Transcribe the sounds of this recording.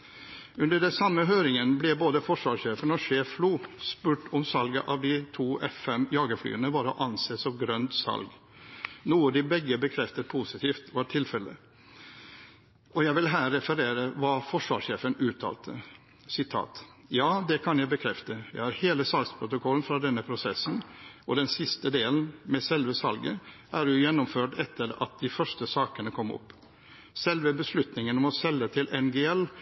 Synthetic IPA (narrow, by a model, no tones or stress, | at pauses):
ʉnd̪əɖɛsɑmːəɦøːɾɪŋənblɛboːd̪əfɔʂʋɑːʂeːfənɔʂeːffluːspʉːʈɔmsɑlɡəʔɑʋd̪ɪt̪ʰuːʔɛfɛmjɑːɡəfly̰ːənəʋɑɾɔʔɑnseːsɔʋɡɾœnd̪sɑ̰lɡ | nuːɑd̪ɪbɛɡəbəkʰɾɛft̪ət̪pʰusɪt̪ʰiːft̪ʋɑɾʈʰɪlfɛlːə̰ | ʔɔjæɪʋɪlɦæːɾːɛfəɾeːɾəʋɑːfɔʂʋɑ̰ːʂeːfənʉːt̪ʰɑ̰ːlt̪ʰə̰ | sɪt̪ʰɑ̰ːt̪ | jɑːd̪ɛkʰɑnjæɪbəkʰɾɛft̪əjæɪhɑɾheːləsɑlɡspʰɾʊt̪ʊkʰɔln̩fɾɑd̪ɛnːəpʰɾʊsɛsn̩ɔd̪ɛnsɪst̪əd̪eːln̩mɛsɛlʋəsɑlɡəʔæːɾjʊjɛnːʊmføːʈɛt̪ʰːəɾɑ̰t̪̚d̪ɪfœʂʈəsɑːkənəkʰɔmːɔ̰pː | sɛlʋəbəslʉt̪nɪŋənɔmɔsɛlːət̪ʰɪlʔɛnɡeːɛlː